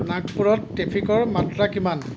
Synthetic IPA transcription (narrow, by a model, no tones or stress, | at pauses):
nakʰpuɹɔtːepʰikɔɹmatɹakiman